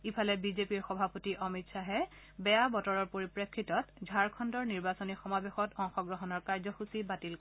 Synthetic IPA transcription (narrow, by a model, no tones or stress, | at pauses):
ipʰalɛbizepiɹxɔbʱapotiʔɔmitsaɦɛ | bɛjabɔtɔɹɔɹpoɹipɹekʰːitɔtdʱaɹkʰɔndɔɹniɹbasɔnixɔmabexɔtɔŋxɔɡɹɔɦɔnɔɹkaɹzɔxusibatilk